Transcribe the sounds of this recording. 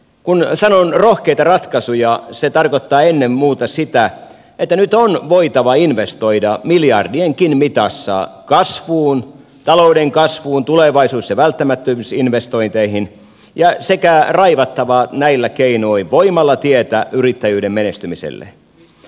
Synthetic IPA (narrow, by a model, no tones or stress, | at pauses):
kunsɑnonrohkeit̪ɑrɑt̪kɑsujɑset̪ɑrkot̪ːɑːenːemmuːt̪ɑsit̪æ | et̪ːænyt̪onʋoit̪ɑʋɑinʋest̪oidɑmiljɑrdieŋkinmit̪ɑsːɑ̰kɑsʋuːn | t̪ɑloudeŋkɑsʋuːnt̪uleʋɑisuːsjɑʋælt̪ːæmæt̪ːømsinʋest̪oint̪eihin | jɑsekærɑiʋɑt̪ːɑʋɑnæilːækeinoiʋʋoimɑlːɑt̪iet̪æʔyrit̪ːæjyːdemmenest̪ymisḛlːḛ